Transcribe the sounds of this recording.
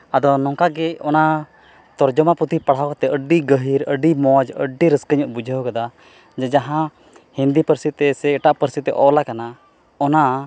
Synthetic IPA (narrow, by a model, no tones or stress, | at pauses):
ad̪ɔnɔŋkaɡɛɔna | t̪ɔɾd͡ʒɔmapɾut̪ipaɽɦakɔt̪ɛʔəɖiɡəɦiɾəɖimɔd͡ʒə̰ɖiɾəskəɲɔʔbud͡ʒʱəɦkad̪a | d͡ʒɛd͡ʒaɦã | hind̪ipəɾsit̪ɛsɛɛʈaʔpəɾsit̪ɛ̰ʔɔlakana | ɔna